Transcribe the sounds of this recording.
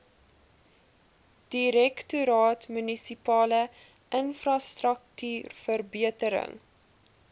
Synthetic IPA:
d̥iɾɛktuɾɑːtmynisipɑːlə | ʔənfrɑstrək̚tyːrfərbiətəɾə̰ŋ

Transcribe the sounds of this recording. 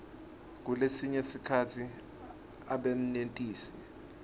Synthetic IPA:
k̬ulesiɲesikʰatʰi | aɓen̩nentʼiːsɛ̥

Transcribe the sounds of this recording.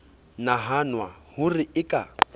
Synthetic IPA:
naɦanwahʊrɪɪkʼa

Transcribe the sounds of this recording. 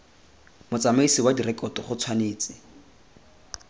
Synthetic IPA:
mʊt͡samaisiwadirɛkʼɔtɔχʊt͡sʰwaneːt͡sɪ

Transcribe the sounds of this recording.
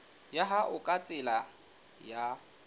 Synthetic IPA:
jaɦaʔʊkʼat͡sʼɪla | ja

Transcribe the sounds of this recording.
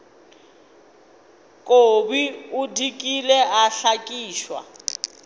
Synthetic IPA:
kʼobiudikʼilɛʔaɬakʼiːʃwa̰

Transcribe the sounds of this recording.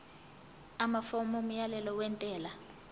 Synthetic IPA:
amafomɔm̩jalɛlɔwɛntʼɛːla

